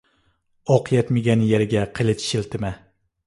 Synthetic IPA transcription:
ɒqʰɨjat̪meɡʲanjeɾɪɡʲaqʰɨlˠɪt̪ʃɪlt̪ʰɪma

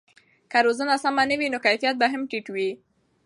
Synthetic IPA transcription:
kaɾozənasamanəwinokajfijat̪̚baɦamʈiʈwi

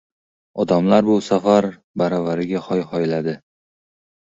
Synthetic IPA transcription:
ɒd̪amlaɾbʊsafaɾ | baɾɒvaɾɪɡʲaχɒjhɒjlad̪ɪ

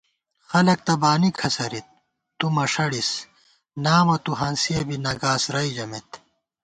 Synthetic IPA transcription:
xɐlɐk̚t̪ɐbaːnikʰɐsɐɾit̪̚ː | umɐʂɐɽis | naːmɐt̪uɦɐnsiɐbinɐɡaːsɾɐid͡ʑɐmet̪

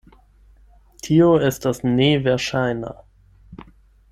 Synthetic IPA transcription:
tʰiːoɛstasneːvɛɐʃaɪna̰

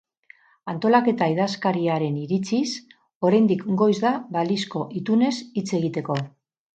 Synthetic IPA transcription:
ant̪o̞lake̞t̪aiðaskaɾiaɾe̞niɾit͡sis | o̞ɾajnd̪ikɡo̞jzðaβalisko̞ʔit̪une̞sit͡se̞ɣ̞it̪e̞ko̞

